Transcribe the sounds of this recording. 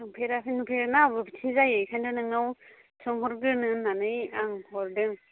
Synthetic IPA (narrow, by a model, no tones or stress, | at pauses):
aŋpʰeɾapinupʰeɾnabɯbtʰizajɯjkʰajndɯnɯŋnaw | sʰɔŋɦɔɾɡɯnɯnːanɯjaŋhɔɾdɯŋ